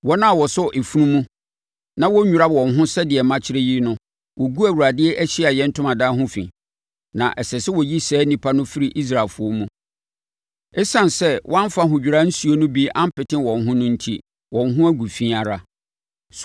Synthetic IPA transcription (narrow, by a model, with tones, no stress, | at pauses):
wɔ˦nã˦a˨wɔ˨sʊ˦ʔe˨fu˦nũ˦mũ˦ | nã˦wɔ˦ɲᶣu˨ɾa˦wɔ̃˨nɦʊ̃˦sɛ˦dɪ˨ɛ˨mã˦t͡ɕʰɪ˦ɾe˦ji˦nʊ̃˦ | wʔɔ˨ɡu˦æ˨wu˨ɾa˨dɪ˦ɛ˦ʔæ˦ɕɪ˦a˨jɛ˦n̩˦tʰʊ̃˦mã˨daː˦ɦʊ̃˦fḭ̃˨ | nã̰˨ʔɛ˨sɛ˨sɪ˦wɔ˨ji˦sɛː˦nĩ˨pʰa˦nʊ̃˦fi˦ɾi˨ʔi˦s̬ɾa˨lfʊ˦ɔ˦mũ˦ | ɛ˦sã˨n˨sɛ˦wʔɔ̃˦ã˦fa˦ɦʊ̃˨d͡ʑᶣi˨ɾa˦n̩˦su˨o˦nʊ̃˦bi˦ã˦m̩˦pɪ˨tɪ̃˦wɔ̃˨nɦʊ̃˦nʊ̃˦n̩˦tʰi˦ | wɔ̃˨nɦʊ̃˦æ˦ɡu˨fĩ˦a˨ɾa˦ | s